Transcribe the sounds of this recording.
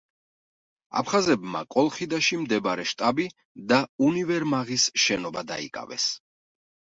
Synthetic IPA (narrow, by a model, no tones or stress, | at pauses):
a̰pʰχazɛbma̰kʼɔlˠχid̪aʃimd̪ɛbaɾɛʃt̪ʼabi | d̪aunivɛɾmaʁisʃɛnɔbad̪a̰ḭkʼa̰vɛ̰s